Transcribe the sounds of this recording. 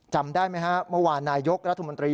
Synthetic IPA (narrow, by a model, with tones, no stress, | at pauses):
t͡ɕa˧mdaː˥˩jma˦˥jkʰa˦˥mɤ˥˩waː˨˧naː˧jo˦˥k̚ɾa˦˥t̪ʰːmo˧nt̪ɾiː˧